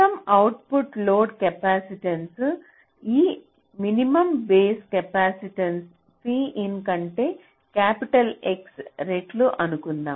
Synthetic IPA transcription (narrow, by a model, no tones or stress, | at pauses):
ɐmɐwʈpuʈloːɖkɛpaːsiʈɐns | iː | minimɐmbeːskɐpaːsiʈɐns | piːʔinkɐɳʈe̞ː | kaːpiʈɐleksɾeʈluʔɐnukund̪aːm